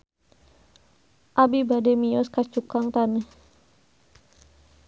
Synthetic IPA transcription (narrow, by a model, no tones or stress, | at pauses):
ʔabibademiɔskat͡ʃukaŋt̪anəh